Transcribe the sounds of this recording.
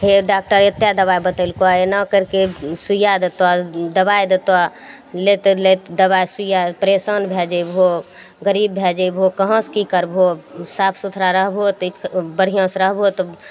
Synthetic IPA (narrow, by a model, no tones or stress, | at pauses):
ɦeɖak̚ʈəɾet̪jad̪əβajbət̪əlkoaenakəɾkesujad̪ət̪wad̪əbajd̪ət̪wa | let̪let̪d̪əbajsujapɾesənbʱɛd͡ʒəbɦo | ɡəɾibːʱɛd͡ʒəbʱɦokəɦə̃skikəɾbʱosapʰsut̪ʰɾaɾəɦbʱot̪bəɽ̤ijə̃sɾəɦbʱot̪